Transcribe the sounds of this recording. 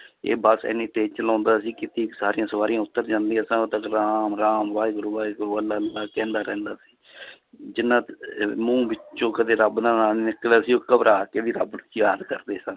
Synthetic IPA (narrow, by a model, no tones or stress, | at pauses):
ḛːbəsɛ̰ːniːt̪eːt͡ʃəlãːnd̪aːsiːkɪt̪iːksaːɾijãːsəʋaːɾijãːʊt̪ːəɾd͡ʒãːnd̪iːɛ̃sãːot̪əkɾaːmɾaːmʋaːɡɾuːʋaːɡɾuːəlːaːaːkɛ̃ːnd̪aːɾɛ̃ːnd̪aːsi̥ː | d͡ʒɪnːãːt̪mũːbɪt͡ʃõːkəd̪eːɾəbnãːnaːnnɪklaːsiːoːkəbɾaːked̪iːɾə̰bt͡ʃjaːd̪kəɾd̪eːsə̃ŋ